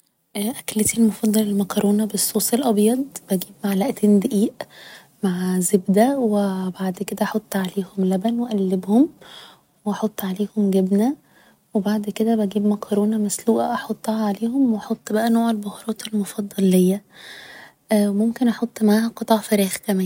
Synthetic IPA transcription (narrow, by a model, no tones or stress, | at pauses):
ʔæʔæklet̪ilmofɑd̪ˤːɑlelmækɑɾˤʔoːnɑbesˤːoːsˤelʔɑbjɑd̪̚ˤb̥æɡiːb̚maʕlæʔt̪ʰeːnd̪eʔiːʔ | maʕzebd̪æwebaʕd̪ked̪æʔħot̪ˤːʕaleːhomlæbænweʔælːebhom | weʔɑħot̪ˤːʕaleːhomɡebnæ | webaʕd̪ked̪æbæɡiːbmækʰɑɾˤoːnæmæsluːʔæʔɑħot̪ˤːɑhɑʕaleːhomwɑħot̪ˤːbæʔænoːʕelbohɾˤɑːt̪elmofɑd̪ˤːɑlːejːæ | ʔwemomkenʔɑħot̪ˤːmaʕaːhæqet̪ˤɑʕfæɾiːxkæmæːn